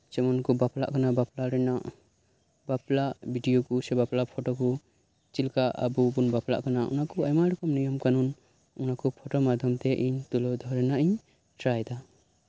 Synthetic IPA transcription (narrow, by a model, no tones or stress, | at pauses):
sɛmɔnkɔbapla̰ʔkanabaplaɾɛnaʔ | baplaʔbʱiɖijɔkusɛbaplapʰɔʈɔku | t͡ʃilkaʔa̰bubunbapla̰ʔkanaʔṵnakɔajmaɾɔkɔmnijɔmkanun | unakɔpʰɔʈɔmad̪ʱjɔmt̪ɛʔiɲt̪ulɔd̪ʱɔɾɛnaʔiɲ | tɾajd̪a